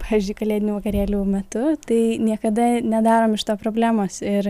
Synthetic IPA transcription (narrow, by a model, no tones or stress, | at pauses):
pɑːʋʲiɪzʲd͡ʒʲʊɪkɐlʲeːdʲɪnʲuːʋɐkɐɾʲeːlʲuːmʲɛt̪ʊt̪ɐɪnʲiɛkɐd̪ɐnʲɛd̪ɑːɾoːmɪʃt̪oːpɾoːbʲlʲæːmoːsɪɾ